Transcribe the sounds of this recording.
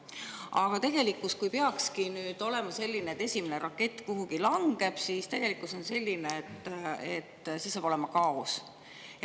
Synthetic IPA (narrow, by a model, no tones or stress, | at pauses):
ʔɑɡ̥ɑt̪e̞ɡ̥e̞likːˑuskujpeɑkskinyːd̪̥o̞le̞mɑse̞lʲːineet̪ːe̞sʲimeneɾɑkːˑe̞t̪ːˑkuɦuɡilɑŋɡ̥e̞b̥sist̪e̞ɡ̥e̞likːˑuso̞nse̞lʲːineːt̪ːˑet̪ːˑsesɑːb̥o̞le̞mɑkɑos